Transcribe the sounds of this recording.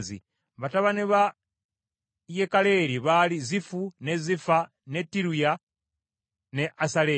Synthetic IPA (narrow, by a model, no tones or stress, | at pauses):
zḭ | βataβaneβa | jekaleɾiβalizifunezifa | netiɾuja | neʔasale